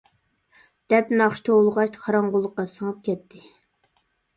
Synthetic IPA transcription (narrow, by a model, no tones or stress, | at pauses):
d̪̥ɛpnɑχʃt̪ʰoolˠʁɑt͡ʃqʰɑɾɑɴʁʊlˠːəqːɑsəŋɑp̚kʲɛt̪ʰːɪ